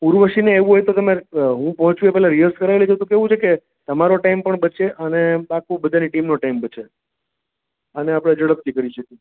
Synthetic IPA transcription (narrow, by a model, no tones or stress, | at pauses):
puɾʋəʃineːʋũɦojt̪ot̪əmeɦũpəɦɔ̃t͡ʃuepɛɦlãɾiəɾskəɾaelet͡ʃʰot̪okeʋũt͡ʃʰeke | t̪əmaɾoʈaimpəɳbəʃeʔənebakʰũbəd̪ʱaniʈimnoʈaimbəʃʰe | əneapɽ̃ed͡ʒəɽəp̚t̪ʰikəɾiʃəki